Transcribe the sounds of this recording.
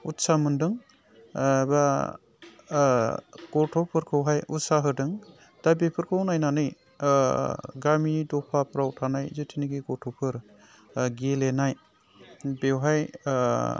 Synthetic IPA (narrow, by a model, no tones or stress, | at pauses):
utsamɯndɯŋ | ba | ɡ̥ɔtʰɔpʰɯɾkʰɯwɦajusaɦɯdɯŋ | d̥abepʰɯɾkʰɯwnajnanɯj | ɡamidɔpʰapʰɾawtʰanajzɯtʰiniɡiɡɔtʰɔpʰɯɾ | ɡelenaj | bewɦaj